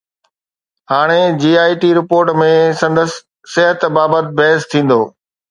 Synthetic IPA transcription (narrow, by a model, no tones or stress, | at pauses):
ɦaːɽ̃ed͡ʑiːaːiʈiɾɪpoːɾʈmẽsɐ̃nd̪əsː | ɪɦət̪baːbət̪̚bɛɦst̪ʰĩːn̆d̪oː